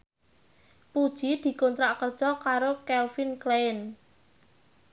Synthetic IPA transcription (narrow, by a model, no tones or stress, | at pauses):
pud̥ʒ̥i̤d̪̥i̤kont̪ɾaʔkərt͡ʃɔkaɾokɛlfinkleɪn